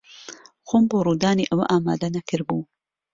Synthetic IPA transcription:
xoːmboːruːd̪aːniʔɐwɐʔaːma̰ːd̪ɐnɐkʰɨɾbu

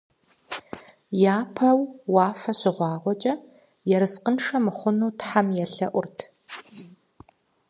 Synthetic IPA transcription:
jaːpʰɐwwɑːfɐɕɪʁʷɑːʁʷɔt͡ʃʼɐ | jɛɾɨsqənʂɐmɨχʷʊnuːtħamjɛɬɐ̰ʔʷʊrtʰ

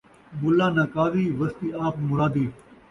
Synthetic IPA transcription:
bʊlːaːnaːkaːʋiːʋɐst̪iːaːpmʊɾaːd̪iː

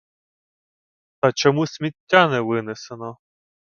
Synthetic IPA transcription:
t̪ɐt͡ʃɔmusʲmʲitʲːanɛʋɪnesenɔ

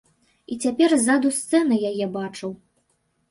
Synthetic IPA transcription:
it͡sʲapʲɛrzad̪ust̪sɛnɐjajɛbat͡ʂɨw

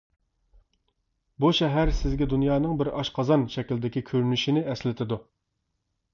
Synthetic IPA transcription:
buʃɛɦæɾsɪzɡʲɛd̪unjɑːnɨŋbɪɾɑʃqʰɑzɑnʃɛkʲild̪ɪkʲikʲʰøɾynyʃinɪɛslɪt̪ʰɪd̪u

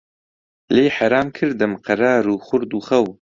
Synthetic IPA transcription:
leːjħaɾaːmkʰɨɾd̪ɨmqʰɐɾaːɾuːxʊɾd̪uːxɐw

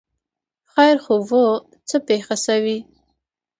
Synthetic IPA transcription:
xajɾxovo | t͡səpexasawi

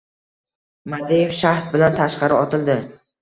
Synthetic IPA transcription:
mad̪ijefʃaht̪̚bɪlant̪ʰaʃqɑɾɪɒt̪ʰɪlˠd̪ɪ

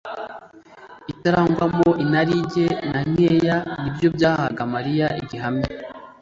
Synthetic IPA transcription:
itaɾaŋɡwamoʔinaɾiɟe̞naɲejanibjo̞bɟaːhaɡamaɾijaiɟiɦame

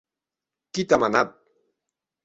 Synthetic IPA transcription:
kit̪amanat̪̚

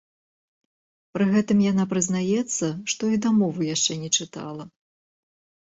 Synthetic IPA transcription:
pɾɨɣɛt̪ɨmjanapɾɨznajɛt̪sːɐʂt̪ɔid̪amɔvɨjaʂt͡ʂɛnʲɛt͡ʂɨt̪a̰lˠɐ

